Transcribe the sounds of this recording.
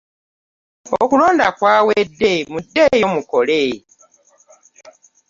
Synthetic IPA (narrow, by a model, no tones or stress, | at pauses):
o̰kulo̞ːndakwaːwedːemudːejomukole